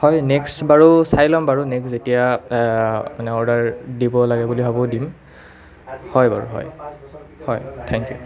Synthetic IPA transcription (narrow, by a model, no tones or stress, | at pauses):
hɔjnɛksbaɹusajlɔmbaɹunekszetija | manɛɔɹdaɹdibɔlaɡɛbulibʱabɔdim | hɔjbaɹṵɦɔ̰j | hɔjt̪ʰɛŋkjṵ